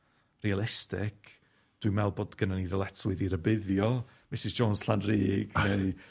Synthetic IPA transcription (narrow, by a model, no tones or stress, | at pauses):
rialˠɪstɪ̰kʰ | d̥wimɛlˠbɔdɡ̥ənaniðəlˠɛtʰwɪðiɾəbɪðjɔ | mɪsɪsd͡ʒonsɬanriːɡnej